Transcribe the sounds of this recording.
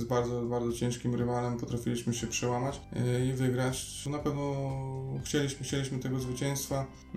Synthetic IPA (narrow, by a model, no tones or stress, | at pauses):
zbaɾd̪ɔbaɾdzɔt͡ɕɛ̃ʂkʲimɾɘvalɛmpɔt̪ɾafʲilʲiɕmɘɕɛpʂɛwamat͡ɕivɘɡɾat͡ɕ | napɛvnɔ | xt͡ɕelʲiɕmɘxt͡ɕelʲiɕmɘt̪ɛɡɔzvɘt͡ɕɛ̃j̃st̪fa